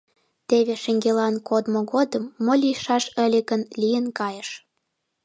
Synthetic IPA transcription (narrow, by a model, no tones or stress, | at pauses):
t̪eβeʃeŋɡelɑnkod̪moɣod̪əmːolʲijʃɑʃə̆lʲeɣənlʲijənkɑjəʃ